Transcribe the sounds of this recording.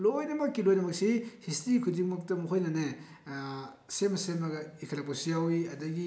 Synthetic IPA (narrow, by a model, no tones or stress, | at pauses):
lojnɐmɐkːilojnɐmɐk̚sihistɾikʰudiŋmɐk̚tɐmuɦʰojnɐne | semɐsemɐɡɐikʰɐlɐposijawiɐdɐɡi